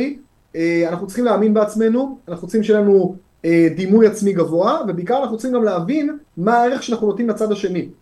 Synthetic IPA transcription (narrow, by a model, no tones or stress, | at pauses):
eanaχnutt͡s̪sli̥χimleaːminbeat͡sme̞nuanaχut͡sχimʃejelanu | ed̪imujat͡smiɡavo̞ave̞beikaʁanaχnutt͡si̥χimɡamleːvinmaae̞ʁeχʃeanaχnunot̪imlat͡sad̪aʃe̞ni